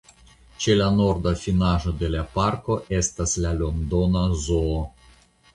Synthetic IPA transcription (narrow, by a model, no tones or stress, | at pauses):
t͡ʃe̞lano̞ɾd̪afinaʒo̞d̪e̞lapaɾko̞ʔe̞st̪aslalo̞nd̪onazoː